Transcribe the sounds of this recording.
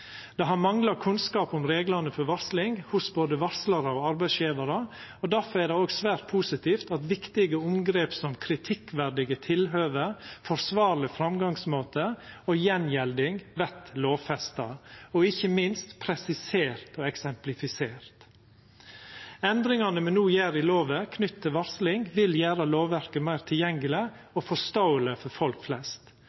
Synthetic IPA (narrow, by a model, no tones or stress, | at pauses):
d̪̥ɛɦɑɾmɑŋlɑkʰʉnskɑːpʊmɾeːɡlɑnəfɔɾʋɑɾslɪŋhʊsboːd̪əʋɑɾslɑɾəoːɑɾbæɪsjiːʋɑɾə | ɔd̪æɾfɔɾæɖ̪ɛoːɡsʋæːɾt̪̚pʰuːsɪt̪iːft̪ɑt̪ʋɪkt̪ɪɡəʊmɡɾeːpsɔmkʰɾɪt̪ʰɪkʋæɾɖ̪ɪɡət̪ʰɪlɦøːʋəɾfɔɾsʋɑːɾlɪfɾɑmɡɑŋsmoːt̪əojɛnjɛld̪ɪŋʋɛt̪loːʋfɛst̪ɑɔɪçəmɪnst̪pʰɾɛsɪseːɾt̪ɔːɛksɛmplɪfɪseːɾt̪ | ɛnd̪ɾɪŋɑnəmɛnuːjæːɾɪloːʋəkʰnʏt̪ːt̪ʰːɪlʋɑɾslɪŋʋɪljæːɾɑloːʋʋæɾkəmæɪɾt̪ʰɪljɛŋɡəlɪ | ɔːfɔst̪oʊələfɔɾfɔlkflɛst̪